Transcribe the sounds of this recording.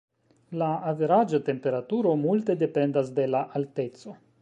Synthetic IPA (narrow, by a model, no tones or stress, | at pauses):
laːveɾad͡ʒat̪e̞mpe̞ɾat̪uɾo̞mult̪e̞d̪e̞pe̞nd̪as̬d̪e̞laʔalt̪e̞tso̞